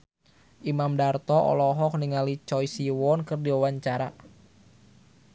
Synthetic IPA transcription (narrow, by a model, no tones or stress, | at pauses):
ʔimamdart̪ɔʔɔ̰lɔɦɔk̚niŋalit͡ʃɔjsiwɔnkɨrdiwawaɲt͡ʃaɾa̰